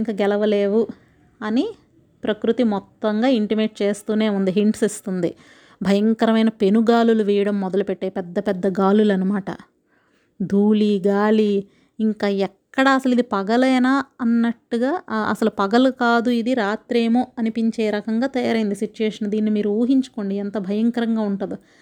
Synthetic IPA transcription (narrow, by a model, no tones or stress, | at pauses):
ŋkaːɡɛlɐʋɐle̞ːʋu | ɐni | pɾɐkɾut̪imɔt̪ːɐŋɡaːiɳʈimeːʈ̚t͡ʃe̞ːst̪uːne̞ːund̪iɦiɳʈsist̪und̪i | bʱɐjɐŋkɐɾɐmɐjnɐpe̞nuɡaːluluʋɛːjɐɽɐmːɔd̪ɐlupɛʈːeːjipɛd̪ːɐpɛd̪ːɐɡaːlulɐnɐmaːʈɐ̰ | d̪ʱuːliɡaːli | iŋkaːɛkːɐɽaːɐsɐlid̪ipɐɡɐlɐːnaːɐnːɐʈːuɡaːɐ̰sɐlupɐɡɐlukaːd̪uid̪iɾaːt̪ɾeːmoːɐnipiɲt͡ʃeːɾɐkɐŋɡaːt̪ɐjaːɾɐjind̪isit͡ʃːuʋeːʂɐnd̪iːnːimiːɾuuːɦiɲt͡ʃu̥ko̞ːɳɖiɛnt̪ɐbʱɐjɐŋkɐɾɐŋɡaːuɳʈud̪u